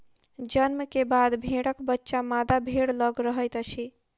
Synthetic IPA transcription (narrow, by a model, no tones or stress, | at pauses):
d͡ʒənməkebad̪bʱeɽəkbətːʃamad̪abʱeɽləɡɾəɦəjt̪ət͡ʃʰi